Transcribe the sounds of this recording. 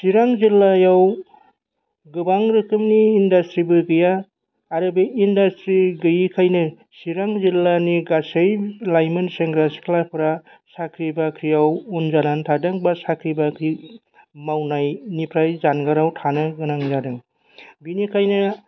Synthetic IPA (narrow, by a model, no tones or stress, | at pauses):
siɾaŋzilːajaw | ɡɯbaŋɾɯkɯmniːndastɾibɯɡɯjaː | ɾɯbɯindastɾiɡɯjikʰajnɯ | siɾaŋzilːaniɡasejlajmɯnseŋɡɾasi̥kʰlapʰɾa | sakʰɾibakʰɾijawunzanantʰadɯŋbasakʰɾibakʰɾi | mawnajnipʰɾajzanɡaɾawtʰanɯɡɯnaŋzadɯŋ | binikʰajnɯ